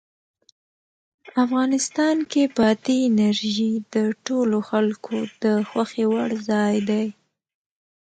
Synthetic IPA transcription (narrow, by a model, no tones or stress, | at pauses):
afɣɑnɪst̪ɑnkepɑt̪iːnaɾʒid̪əʈoloxalkʰod̪̥əxwaxewaɽzɑjd̪aj